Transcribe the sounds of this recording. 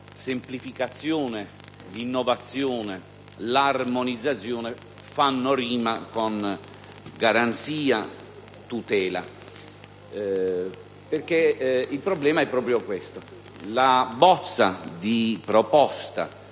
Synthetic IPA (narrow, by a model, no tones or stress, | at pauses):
semplifikat̪sːjɔːne | d̪inːɔvat̪sːjɔːne | larmonid̪zːat̪sjɔːnɛ | fanːoɾiːmakon | ɡaɾant̪siːa | t̪ut̪ɛːla̰ | perkeilpɾɔblɛːmaɛpːɾɔːpɾjokwɛst̪o | labɔt̪sːa̰d̪ipɾɔpɔst̪a̰